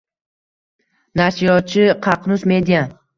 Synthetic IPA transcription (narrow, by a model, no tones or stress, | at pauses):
naʃijɒt͡ʃʰɪqʰɑqnʊsmed̪ijan